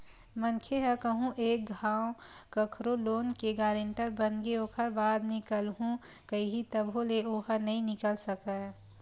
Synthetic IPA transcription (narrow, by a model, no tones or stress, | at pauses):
mənkʰeɦəkəɦũʔeːk̚ɡʱaːwkɐkʰɾoloːnkeɡaːɾẽɳʈəɾbənɡeoːkʰəɾbaːd̪nɪkəlɦũ | kɐiɦit̪əbʱoleoːɦənɐɦĩnɪkəlsəkə